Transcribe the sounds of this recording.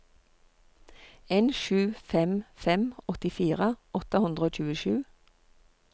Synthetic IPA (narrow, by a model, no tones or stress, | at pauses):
eːnʃʉːfɛmfɛmɔt̪ɪfiːʁəɔt̪əhʉnd̪ʁəoːc͡çʉːəʃʉː